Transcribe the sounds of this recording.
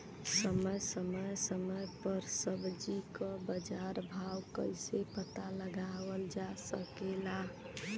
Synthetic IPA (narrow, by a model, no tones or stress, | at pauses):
səməjsəməjsəməpəɾsəbd͡ʒikɔbəd͡ʒaɾbʱawkəɪsepət̪aləɡaʋəld͡ʒasəkela